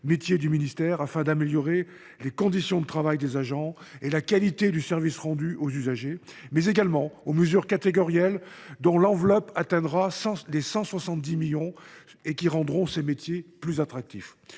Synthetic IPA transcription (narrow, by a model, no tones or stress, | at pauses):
met̪jed̪yminist̪ɛʁafɛ̃d̪ameljɔʁe | lekɔ̃d̪isjɔ̃d̪ət̪χavajd̪ezaʒɑ̃ | elakalit̪ed̪ysɛʁvisʁɑ̃d̪yʔozyzaʒemɛzeɡalmɑ̃oməzyʁkat̪eɡɔʁjal | d̪ɔ̃lɑ̃vlɔpat̪ɛ̃d̪ʁasɑ̃lesɑ̃swasɑ̃t̪̚d̪imiljɔ̃ | ekʲiʁɑ̃d̪ʁɔ̃semet̪jeplyzat̪χak̚t̪if